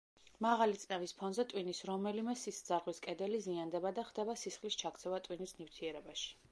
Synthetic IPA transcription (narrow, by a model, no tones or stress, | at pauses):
maʁalit̪sʼnɛvispʰɔnzɛt̪ʼwinisɾɔmɛlimɛsisd̪z̥aɾʁwiskʼɛd̪ɛliziand̪ɛbad̪aχd̪ɛbasisχlist͡ʃʰak̚ʰt̪sʰɛvat̪ʼwinisnift̪ʰiɛɾɛbaʃi̥